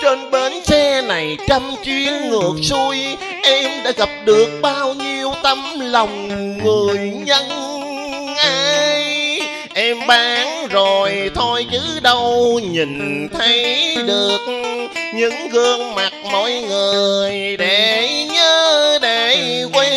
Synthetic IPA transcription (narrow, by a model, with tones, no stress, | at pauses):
t͡ɕeː˧nɓe˨˦nsɛ˧na˨˩jt͡ɕə˧mt͡ɕi˧˦ənːɨ˨˩ək̚su˧j | ʔɛ˧mɗa̰ː˧˥ɣa˨˩p̚ɗɨ˨˩ək̚ɓaː˧wɲi˧əwt̪ə˧mla˨˩wŋ͡mŋɨ˨˩əjɲə˧n | ʔaː˧jj | ʔɛ˧mɓaː˨˦ŋzo˨˩jt̪ʰo˧jzɨ̰˧˥ɗə˧wɲï˨˩nt̪ʰə˨˦jɗɨ˨˩ək̚ɲɨ̰˧˥ŋɣəː˧ŋma˨˩t̚mɔ̰˧˨jŋɨ˨˩əjɗe˧˩ɲəː˧ɗe˧˩kwe˧